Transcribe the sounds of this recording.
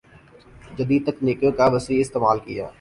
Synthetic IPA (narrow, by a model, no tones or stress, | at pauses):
d͡ʒɐd̪iːd̪̚t̪əknɪːkjokaʋəsiɪst̪eːmaːlkɪja̰ː